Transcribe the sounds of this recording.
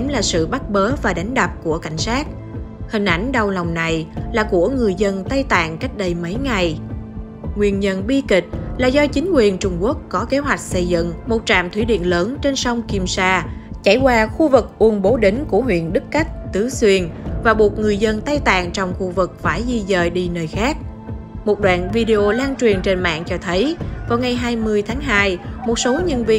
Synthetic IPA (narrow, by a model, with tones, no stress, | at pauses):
mlaː˨˩sɨ̰˧˨ɓa˦˥t̚ɓəː˨˦vaː˨˩ɗa˨˦jŋ̟ɗa˨˩p̚ku˧˩əka˧˩jŋ̟saː˦˥t̚ | hï˨˩ŋ̟ʔa˧˩jŋ̟ɗa˨˩wlɔ˨˩wŋ͡mna˨˩jlaː˨˩ku˧˩əŋɨ˨˩əjzə˧nt̪a˧jt̪a̰ː˧˨ŋka˦˥jk̟̚ɗə˧jmə˨˦jŋa˨˩j | ŋwi˧˩ənɲə˧nɓi˧kï˨˩k̟̚laː˨˩zɔ˧t͡ɕï˨˦ŋ̟kwi˨˩ənt͡ɕʊ˧ŋ͡mku˦˥ək̚kɔ˨˦ke˨˦ɦwa˨˩jk̟̚sə˧jzɨ̰˧˨ŋmo˨˩t̚t͡ɕa̰ː˧˨mt̪ʰwi˧˦ɗḭ˧˨ənləː˨˦nt͡ɕe˧nsɔ˧wŋ͡mki˧msaː˧t͡ɕa˧˩jkwaː˧xu˧vɨ˨˩k̚ʔu˧˩ənɓo˨˦ɗe˨˦ŋ̟ku˧˩əɦwḭ˧˨ənɗɨ˦˥kka˦˥jk̟̚t̪ɨ˨˦swi˧ənvaː˨˩ɓu˨˩ət̚ŋɨ˨˩əjzə˧nt̪a˧jt̪a̰ː˧˨ŋt͡ɕɔ˧wŋ͡mxu˧vɨ˨˩k̚faː˧˩jzi˧zəː˧˨jɗi˧nəː˨˩jxaː˦˥k̚ | mo˨˩t̚ɗwa̰ː˧˨nvi˧ɗe˧ʔo˧laː˧nt͡ɕwi˨˩ənt͡ɕe˧nma̰ː˧˨ŋt͡ɕɔ˧t̪ʰə˨˦jvaː˨˩wŋa˨˩jɦaː˧jmɨ˧əjt̪ʰaː˨˦ŋɦaː˧jmo˨˩t̚so˨˦ɲə˧nvi˧ə